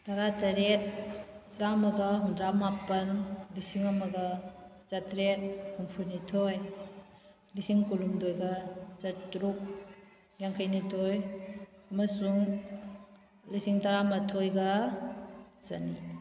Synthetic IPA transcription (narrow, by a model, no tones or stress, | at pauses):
taɾatɐɾet̚zamɐɡaɦundɾamapɐnlisiŋamɐɡɐ | zatɾet̚humpʰuɾnitʰoj | lisiŋkulumdojɡazatɾuk̚ | ɡjaŋkʰajnitʰoj | ɐmɐsuŋ | lisiŋtaɾamɐtʰojɡa | zɐ̰ni